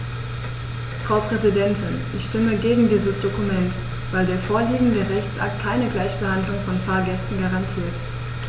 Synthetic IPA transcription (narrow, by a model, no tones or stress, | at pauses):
fʁ̥aʊpʁ̥ɛzidɛntʰɪnʔɪçʃtɪməɡeːɡŋ̩diːzəsd̥okumɛnt | v̥aɪldeːɐfoːɐliːɡŋ̩dəːʁɛçt͡sʔa̰k̚t̚kʰaɪnəɡlaɪçb̥əhandlʊŋfɔnfaːɐɡɛstn̩ɡaʁantʰiːɐt